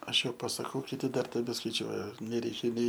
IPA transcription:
ˈɐʃ ˈjɛʊ pɐsɐˈkɐʊ kʲɪˈtʲɪ ˈdɐr tʲɛbʲɛskɐɪˈt͡ʃʲuɔjɛ nʲɛˈrʲɛɪkʲɛ nʲɛɪ

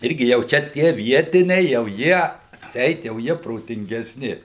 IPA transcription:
ˈɪrʲɡʲɪ jɛʊ ˈt͡ʃʲɛ ˈtʲiɛ ˈʋʲiɛtʲɪnʲɛɪ jɛʊ ˈjiɛ ɐtʲˈsʲɛɪt jɛʊ ˈjiɛ proːtʲɪŋʲɡʲɛˈsʲnʲɪ

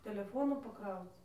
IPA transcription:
tʲɛlʲɛˈfoːnuː pɐˈkrɐʊt͡s

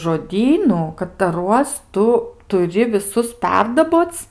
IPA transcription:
ʒoːˈdʲiːnʊ kɐtɐˈruɔs ˈtʊ tʊˈrʲɪ ʋʲɪˈsʊs ˈpʲɛrdɐboːt͡s

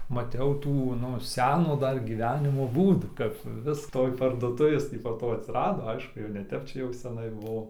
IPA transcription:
mɐˈtʲɛʊ ˈtuː ˈnʊ ˈsʲæːnoː ˈdɐr ɡʲiːˈʋʲæːnʲɪmoː ˈbuːduː kɐp ˈʋʲɪs ˈtoːj pɐrduɔˈtʊʋʲeːs ˈtʲiː poː ˈtoː ɐtʲsʲɪˈrɑːdoː ˈɐɪʃkʊ jɛʊ nʲɛ ˈtʲɛp ˈt͡ʃʲɛ jɛʊ sʲɛˈnɐɪ ˈbʊʋoː

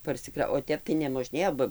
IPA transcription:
pɐrʲsʲɪˈkrɐ oː ˈtʲɛp tɐɪ nʲɛmoːˈʒʲnʲeːjoː ˈbɐ

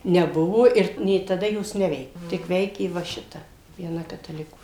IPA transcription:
nʲɛˈbʊʋoː ˈɪr nʲeː tɐˈdɐ ˈjoːs ˈnʲæːʋʲɛɪkʲɛ tʲɪk ˈʋʲɛɪkʲeː ʋɐ ˈʃʲɪtɐ ʋʲiɛˈnɐ kɐtɐˈlʲɪkuː

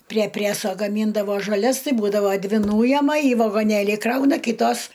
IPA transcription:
pʲrʲiɛ ˈpʲrʲæsoː ɡɐˈmʲiːndɐʋoː ʒɐˈlʲɛs ˈtɐɪ ˈbuːdɐʋoː ˈdʲʋʲɪ ˈnuːjɛmɐ iː ʋɐɡoːˈnʲeːlʲiː ˈkrɐʊnɐ ˈkʲiːtoːs

